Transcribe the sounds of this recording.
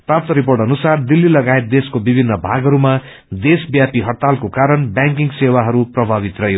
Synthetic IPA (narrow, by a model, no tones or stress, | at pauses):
prap̚t̪ʌɾiporʈʌnusard̪ilːilʌɡaet̪̚d̪eskobibʱinːʌbʱaɡʌɾuma | d̪esbjapiɦʌt̪alkokaɾʌnbjãŋk̬iŋɡsewaɦʌɾuprʌbʱabit̪rʌɦjo